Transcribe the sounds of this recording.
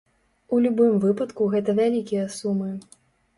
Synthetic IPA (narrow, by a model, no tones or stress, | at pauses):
ulʲubɨmvɨpɐt̪kuɣɛt̪ɐvʲalʲikʲijɐsumɨ